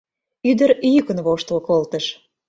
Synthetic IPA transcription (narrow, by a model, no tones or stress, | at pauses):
yd̪əɾjykə̆nβoʃt̪əlkolt̪ə̆ʃ